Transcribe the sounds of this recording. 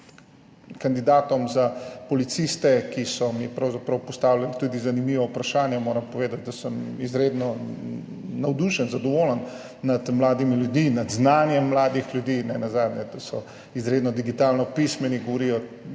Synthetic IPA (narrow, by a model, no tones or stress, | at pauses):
kand̪id̪aːt̪ɔmzapɔlit̪sist̪ɛkisɔmipɾɐwzapɾɐwpɔst̪aːwlʲanit̪uːd̪izanimiːʋɔupɾaʃaːnjɛmoːɾɐmpɔʋeːd̪at̪̚d̪asəmizɾeːd̪nɔ | nɐwd̪uʃənzad̪ɔʋolənː | ɐd̪mlaːd̪imiljud̪inad̪znaːnjɛmːlaːd̪ixlʲjud̪iːnɛnazaːd̪njɛd̪ɐsɔ | izɾeːd̪nɔd̪iɡit̪aːlnɔpismɛniɡɔʋɔɾijɔ